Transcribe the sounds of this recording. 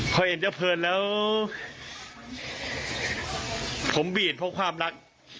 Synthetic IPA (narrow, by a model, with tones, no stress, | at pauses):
kʰɔ˧˩ʔhe˨˧˦nt͡ɕa˧˥˩wpʰɤː˧n̚lɛː˦˥w | pʰo˩˦mbiː˨˩t̪̚pʰɔ˦˥kʰwaː˧mɾa˦˥k̚